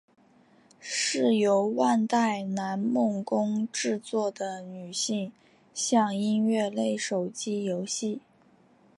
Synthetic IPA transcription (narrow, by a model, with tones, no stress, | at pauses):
ʂɻ̩˥˩jo˧˥ʊwa˥˧nt̪a˥˩ɪna˧˥nmʊ˥˩ŋkʊ˥ŋʈ͡ʂɻ̩˥˧t͡swɔ˥˩d̪ə˩ny˨˩ɕi˥˧ŋ | ɕjɑ˥˧ŋi˥nɥɛ˥˧le˥˩ɪʂo˨˩ʊt͡ɕi˥jo˧˥ʊɕi˥˩